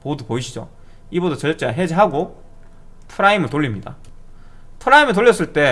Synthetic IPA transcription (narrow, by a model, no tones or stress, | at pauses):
modupoiɕʰid͡ʑo̰ | ibodot͡ɕʌɭt͡ɕ͈eɦe̞d͡ʑeɦaɡo | tʰɯɾaimɯɭtoʎːimɲida̰ | tʰɯɾaimɯɭt̬oɭːjːʌs̬͈ɯɭt͈e̞